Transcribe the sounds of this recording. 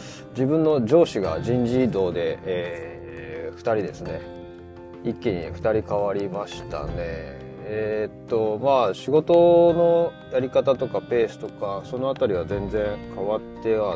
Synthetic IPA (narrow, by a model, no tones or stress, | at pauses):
d͡ʑibɯ̟̃nːo̞d͡ʑo̞ːɕiɡa̰d͡ʑĩɲd͡ʑiːd̪o̞ːd̪e̞ː | ɸɯ̟̥t̪aɾʲid̪e̞sɨne̞ | ikːeɲ̟ḭɸɯ̟̥t̪aɾʲikaβaɾʲimaɕi̥t̪a̰ne̞ | t̪ːo̞maːɕiɡo̞t̪o̞no̞ | jaɾʲikat̪at̪o̞kape̞ːsɨ̥t̪o̞kaso̞no̞at̪aɾʲiβ̞azẽ̞nd͡zẽ̞ŋkʰaβat̪ːe̞βa